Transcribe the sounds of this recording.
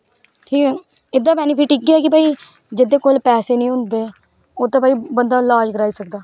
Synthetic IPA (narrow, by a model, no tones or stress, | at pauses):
ʈʰiːkː | ɪd̪aːpɛːnɪpʰɪʈikːɪaːkɪpaːiː | d͡ʒɪd̪eːkoːlpɛːseːnĩːɦʊ̃nd̪eː | oːt̪ãːpaːiːbənd̪aːlaːd͡ʒkəɾaːiːsəkd̪aː